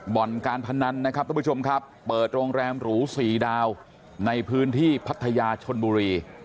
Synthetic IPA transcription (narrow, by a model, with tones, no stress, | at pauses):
bɔ˨˩nkaː˧npʰa˧na˧nːa˦˥kʰa˦˥p̚ɾʰpʰːt͡ɕo˧mkʰa˦˥pːɤː˨˩t̪̚ɾoː˧ŋɾɛː˧mɾuː˩˦siː˨˩daː˧w | na˧jpʰɯː˦˥nt̪ʰiː˥˩pʰa˦˥t̪ʰːa˧jaː˧t͡ɕʰo˧nbuː˧ɾiː˧